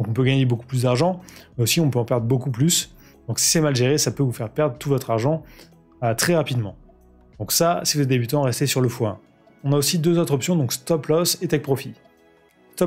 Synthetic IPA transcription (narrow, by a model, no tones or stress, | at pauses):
d̪ɔ̃kɔ̃pøɡaɲeboku̥plysd̪aʁʒɑ̃mɛosiɔ̃pøɑ̃pɛʁd̪ʁəbokuplys | d̪̥ɔ̃ksi̥sɛmalʒeʁesapøvufɛʁpɛʁd̪ʁət̪uvɔt̪χaʁʒɑ̃ | ət̪χɛʁapid̪mɑ̰̃ | d̪ɔ̃ksasɛkləd̪ebyt̪ɑ̃ʁɛst̪esyʁləfwɛ̃ | ɔ̃naosid̪øzot̪χɔpsjɔ̃d̪ɔ̃kst̪ɔplɔset̪ɛk̚pχɔfi | st̪ɔ